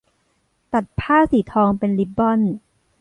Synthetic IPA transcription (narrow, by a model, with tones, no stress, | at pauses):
t̪a˨˩t̪̚pʰaː˥˩siː˩˦t̪ʰɔː˧ŋpe˧nli˦˥p̚bɔ˥˩n